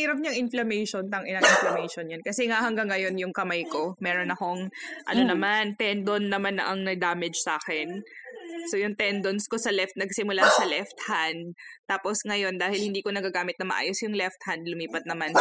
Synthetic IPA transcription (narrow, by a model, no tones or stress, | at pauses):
iːɾɐb̚ɲɐŋʔɪnflɐmɛjʃont̪ɐŋʔɪnɐŋʔɪnflɐmɛjʃonjɐnkɐsɛŋahɐŋɡaŋːɐjo̞njʊŋkɐmajkomɛːɾo̞nɐkoŋʔɐ̰no̞nɐmant̪ɛnd̪onːɐmanɐʔɐŋnɐɡ̚d̪aːmɛd͡ʒsaːkɛn | so̞jʊŋt̪ɛnd̪onsko̞sɐlɛft̪̚nɐɡsɪmʊlasɐlɛft̪hand̪̚t̪aːpo̞sŋɐjo̞nd̪aːhɪlhɪnd̪iːko̞nɐɡaɡaːmɪt̪̚nɐmɐʔa̰ːjosjʊŋlɛft̪̚hand̪lʊmiːpɐt̪̚nɐman